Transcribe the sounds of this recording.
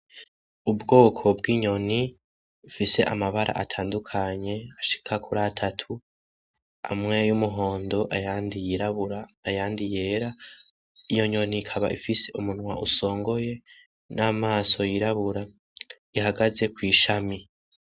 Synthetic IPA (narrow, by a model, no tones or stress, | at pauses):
ubɡo̞ːkʰo̞bɡiːɲo̞ni | fise̞ʔa̰maβaɾʔa̰ʔa̰tʰaːndukʰaɲe̞aʃi̥kʰakʰuɾatʰatʰu | a̰mŋe̞jumuɦo̞ːndo̞ʔajaːndijiɾaβuɾaːjaːndije̞ːɾa | ijo̞ɲo̞nikʰaβa̰ʔifise̞ʔumunwa̰ʔuso̞ːŋɡo̞je̞ | namaːso̞jiɾaβuɾa | ihaɡaze̞kwiːʃami